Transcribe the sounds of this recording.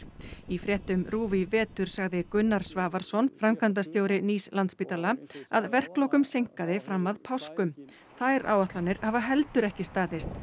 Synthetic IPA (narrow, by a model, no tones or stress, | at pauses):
ifɾjɛht̪ʏmɾuːvivɛːt̪ʏɾ̥saɣðɪkʏnːaɾ̥svaːvaɾ̥sɔnfɾamkʰant̪̬ast̪joːwɾɪniːslant̪spit̪alaaðvɛr̥klɔkʏmsejŋ̥kaðɪfɾamːaðpʰawskʏm | θajɾa̰ːwaht̪lanɪɾavaɦɛlt̪ʏɾɛhcɪst̪aːðɪst̪